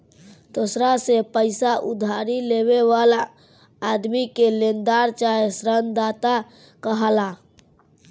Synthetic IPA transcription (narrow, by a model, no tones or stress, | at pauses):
d̪̥osɾasepəɪsaʔud̪ʱaɾileβeʋalaː | d̪mikelend̪aɾt͡ʃaesɾənd̪at̪a | kəɦəla